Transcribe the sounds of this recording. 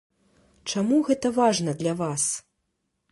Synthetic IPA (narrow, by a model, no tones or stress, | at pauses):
t͡ʂamuɣɛt̪ɐvaʐnɐd̪lʲavas